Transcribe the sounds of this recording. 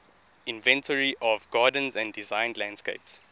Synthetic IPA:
ĩnvɛ̃ntʰəɹiʔɔvɡaːdə̃n̩zæ̃ndizãɪ̃ndlãnd̥skḛɪps

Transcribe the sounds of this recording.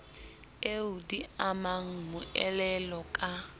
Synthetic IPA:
eudiamaŋ̩mʊɛlɛlɔkʼa

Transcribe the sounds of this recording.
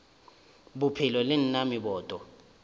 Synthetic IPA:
bupʰilɔlɪn̩namiɓɔːtʼɔ

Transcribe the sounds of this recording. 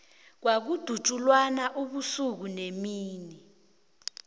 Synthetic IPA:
k̬wak̬ud̥ʱut͡ʃʼulwanaʔuɓusuk̬unemiːni

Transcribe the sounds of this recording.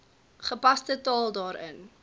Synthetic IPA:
χəpɐstətɑːlˠdɑːɾə̰n

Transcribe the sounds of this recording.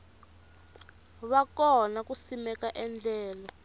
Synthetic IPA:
βakɔnakusimɛkaʔɛnd͡ɮʱɛːla

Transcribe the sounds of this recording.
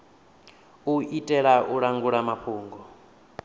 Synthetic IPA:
uitʼɛɺaʔuɺaŋɡuɺamaɸʰuːŋɡɔ

